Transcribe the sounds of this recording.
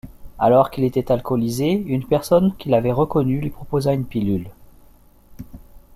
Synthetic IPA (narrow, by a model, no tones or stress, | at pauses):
alɔʁkʲilet̪ɛt̪alkʰɔlizeynpɛʁsɔnkʲilavɛʁəkɔnylɥipχɔpozaynpilyl